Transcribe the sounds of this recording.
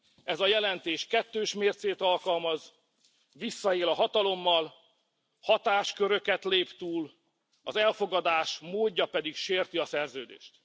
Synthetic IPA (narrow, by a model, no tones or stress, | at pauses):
ɛzɒjɛlɛnt̪eːʃkɛt̪ːøːʃmeːrt̪seːt̪ɒlkɒlmɒz | ʋisːɒeːlɒɦɒt̪ɒlo̞mːɒl | hɒt̪aːʃkø̞ɾø̞kɛt̪leːpt̪uːl | ɒzɛlfo̞ɡɒd̪aːʃmoːɟːɒpɛd̪ikʃeːrt̪iɒsɛrzøːd̪ḛːʃt̪